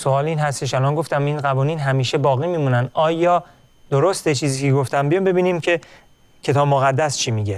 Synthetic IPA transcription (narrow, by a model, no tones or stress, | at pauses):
soɒːliːnɦæst̪e̞ʃælɒːnɡo̞ft̪æminɣævɒːniːnɦæmiːʃe̞bɒːɣiːmiːmuːnænd̪ʔɒːjɒː | d̪̥oɾost̪et͡ʃʰiːziːcʰeɡoft̪ʰæmbijɒmbe̞biːniːmcʰe̞ | cʰe̞t̪ʰɒːbmoɣæd̪ːæst͡ʃʰiːmiːɟe